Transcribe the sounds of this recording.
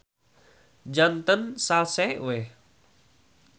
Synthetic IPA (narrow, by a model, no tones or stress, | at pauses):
d͡ʒant̪ənsalsɛwe